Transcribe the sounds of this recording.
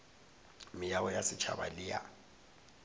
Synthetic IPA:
mɪjawɔjasɪt͡ʃʰa̰ba̰lɪja̰

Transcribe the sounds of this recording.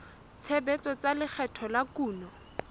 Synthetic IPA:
t͡sʰɛbɛt͡sɔt͡salɪk͡xʰɛtʰɔlakuːnɔ

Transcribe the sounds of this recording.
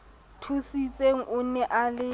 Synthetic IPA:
tʰusit͡sʼeŋ̩ʔʊnɛʔalɪ

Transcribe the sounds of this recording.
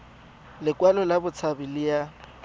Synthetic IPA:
lɪkwalɔlabʊt͡sʰabɪlɪja

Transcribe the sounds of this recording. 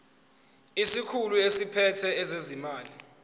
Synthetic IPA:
isikʰuluesipʰɛtʰɛɛzezimaːli

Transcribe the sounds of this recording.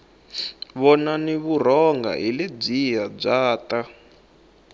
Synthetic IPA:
βɔnaniβur̤ɔŋɡa̰ɦilib͡ʐijab͡ʐaːta

